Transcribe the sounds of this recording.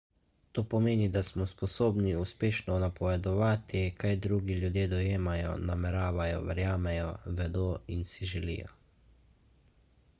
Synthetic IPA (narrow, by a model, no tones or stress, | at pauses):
t̪oːpɔmeːnid̪asmɔspɔsoːbniuspeːʃnɔnapɔʋɛd̪ɔʋaːt̪ikajd̪ɾuːɡiljud̪jeːd̪ɔjeːmajɔ̰namɛɾaːʋajɔ̰ʋɛ̰ɾjaːmɛjɔʋɛd̪oːinsiʒɛlḭjɔ̰